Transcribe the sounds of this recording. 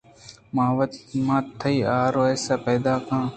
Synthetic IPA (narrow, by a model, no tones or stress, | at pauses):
mãːʋət̪mãːt̪ʰːəiːaːɾoːɛːsaːpeːd̪aːkãː